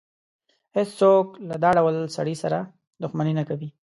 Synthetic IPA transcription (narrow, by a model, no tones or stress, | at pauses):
hɪst͡soklad̪ɑɖawəlsaɽisaɾa | d̪ʊxmaninakawi